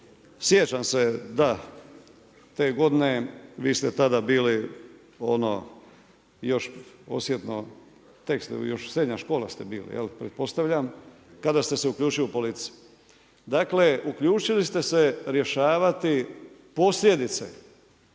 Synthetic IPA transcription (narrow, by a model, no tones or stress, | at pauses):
sjet͡ɕamse̞d̪a | t̪e̞ːɡo̞d̪ine̞ʋiːst̪et̪ad̪abiːli | o̞̰no̰ | jo̞ʃo̞̰sje̞t̪no̞̰ | t̪e̞kst̪jo̞ʃsɾe̞d̪ɲaʃko̞ːla̰st̪e̞biːlḭjḛlipɾet̪̚po̞st̪aʋʎam | kad̪ast̪eseukʎʲuːt͡ʃilupo̞lit̪si̥u | d̪akle̞ʔukʎuːt͡ʃilist̪e̞se̞ɾje̞ʃaːʋat̪ipo̞slʲje̞d̪it̪sḛ